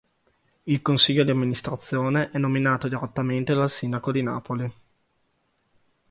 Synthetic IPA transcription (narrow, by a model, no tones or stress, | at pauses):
ilkonsiʎːod̪iamːinist̪ɾat̪sːjoːneʔɛnːominaːt̪od̪iɾet̪ːament̪ed̪alsind̪akod̪ina̰ːpoli